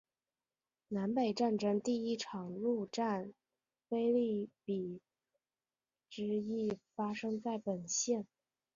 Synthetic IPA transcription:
na˧˥npe˨˩ɪʈ͡ʂa˥˩nʈ͡ʂɤ˥ŋt̪i˥˩i˥ʈ͡ʂʰɑ˨˩ŋlu˥˧ʈ͡ʂa˥˩n | fe˥ɪli˥˩pi˨˩ | ʈ͡ʂɻ̩˧˥i˥˩fa˥ʂɤ˥ŋt͡sa˥˩ɪpə˨˩nɕjɛ˥˩n

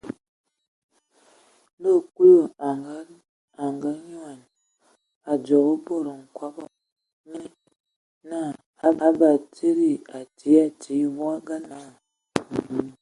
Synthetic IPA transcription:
lo˦˨ku˦o˦˨a˨a˦ | a˨ŋɡa˦ɲwa˨n | a˨d͡ʒɔ˨ɣo˦bo˦˨ɾo˨ŋ̩˨kwa˨˦bɔ˨ | ne˦ | na˦˨ | a˦a˦ba˨te˦ɾi˦˨a˨ti˨˦a˨ti˨˦wwa˦ɡa˦na˨˦˨

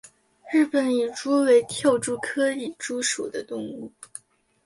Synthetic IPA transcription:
ɻɻ̩˥˩pə˨˩˦ni˨˩ʈ͡ʂu˥we˧˥ɪt̪ʰjɑ˥˧ʊʈ͡ʂu˥˩kʰɤ˥i˨˩ʈ͡ʂu˥ʂu˨˩d̪ə˦t̪ʊ˥˧ŋu˥˩

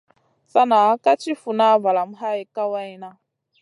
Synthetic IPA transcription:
sa˦na˨˦ka˦t͡ʃʰi˦fu˨na˦va˨la˨mu˦˨ɦa˦i˨ka˦wa˦jna˦

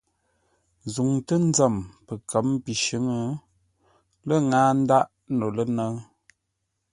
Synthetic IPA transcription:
zu˨ŋtə˦n˦zə˦˨mpə˨kʰə˨˦mpi˨ʃə˦ŋə˦ | lə˦ŋaː˦n̩˦da˦ʔ | no˨lə˦nə˦

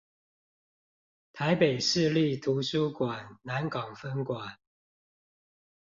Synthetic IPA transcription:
t̪ʰa˨˦ɪpe˨˩ɪʂɻ̩˥˧li˥˨t̪ʰu˨˦su˦kwa˨˩nna˨˦nkɑ˨˩ŋfə˦nkwa˨˩˦n

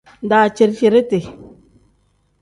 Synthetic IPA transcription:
n˨daː˨t͡ʃe˨ɾfe˨ɾe˦te˨

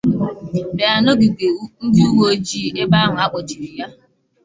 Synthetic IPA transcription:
be˨a˨no˦ɡi˨ɡʷe˨˦n̩˦di˦u˦wo˦o˦d͡ʒi˦˨ʔe˦ba˦ɦʊ˨a˦k͡pɔ˨t͡ʃi˨ɾi˨ja˦

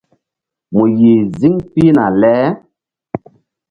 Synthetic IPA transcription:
mu˨ji˨zi˦ŋpi˦na˨lɛ˦

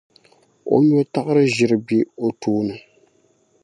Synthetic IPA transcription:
o̰˦ɲ˦o˦ta˦ʔɨ˦ɾɨ˦ʒɪ˨ɾɨ˨bi˦o˨tuː˦nɨ˨

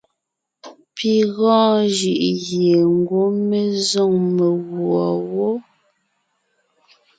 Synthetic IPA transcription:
pi˨ɣɔ̃ː˦ʒɯ˨ʔɣje˨ŋ̩˦ɡwo˦me˦zo˦˨ŋme˨ɣwɔ˨wo˦

